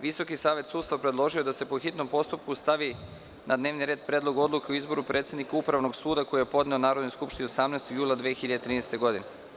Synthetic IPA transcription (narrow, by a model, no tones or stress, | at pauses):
ʋiso̞kisaːʋe̞t̪suːd̪st̪apɾed̪lˠo̞ʒiod̪ase̞poxit̪no̞mpo̞st̪up̚kust̪aʋi | nʔad̪ne̞ːʋniɾe̞ːd̪pɾe̞ːd̪lˠo̞ɡo̞d̪lˠuke̞uizbo̞ɾupɾʔet̪sed̪nikaupɾaʋno̞ɡsuːd̪ako̞ijepo̞d̪ne̞onaːɾod̪nojskupʃt̪iniosamnest̪oɡjuːlˠad̪ʋeːxiʎad̪et̪ɾiːnest̪e̞ɡo̞d̪ine